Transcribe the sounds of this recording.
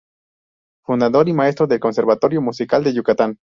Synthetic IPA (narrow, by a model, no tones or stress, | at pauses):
fund̪aðo̞ɾimaest̪ɾoðe̞lkonse̞ɾβat̪o̞ɾjomusikald̪e̞ʝukat̪an